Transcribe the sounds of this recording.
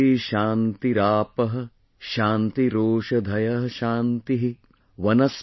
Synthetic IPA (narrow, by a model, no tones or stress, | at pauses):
iʃaːnt̪iɾaːpɐɦɐ̆ | ʃaːnt̪iɾoːʂɐd̪ʱɐjɐɦɐʃaːnt̪iɦi | ʋɐnɐs